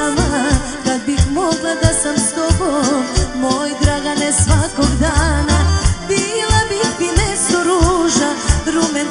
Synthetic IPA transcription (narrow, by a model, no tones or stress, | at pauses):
ma | kad̪bixmoɡlˠad̪asamst̪obomojd̪ɾaɡanɛsʋakoɡd̪anabilabibinɛsoɾuʒaɾumɛ